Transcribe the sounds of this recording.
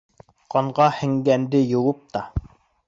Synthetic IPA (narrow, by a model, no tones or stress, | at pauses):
qɑɴʁɑhɘ̆ŋɡænd̪ɘjŏwɤp̚t̪ɑ